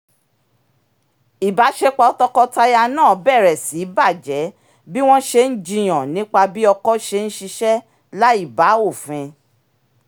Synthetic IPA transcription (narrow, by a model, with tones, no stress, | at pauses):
i˨ba˨˦ʃe˧k͡pɔ˨˦tɔ˦kɔ˦ta˦ja˧nãː˦˨˦bɛ˦˨ɾɛ˨si˨˦ba˦˨d͡ʒɛ˨˦ | bi˦w̃ɔ̃˦ʃe˧n̩˦d͡ʒĩ˧j̃ɔ̃˨nĩ˨˦k͡pa˧bi˦ɔ˧kɔ˦ʃe˧n̩˦ʃi˧ʃɛ˦ | la˦i˦˨ba˨˦o˦˨fɛ̃˧